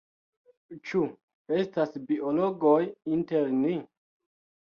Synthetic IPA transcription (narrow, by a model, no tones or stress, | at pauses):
t͡ʃu | e̞stasbiʔolo̞ɡojinte̞ɾni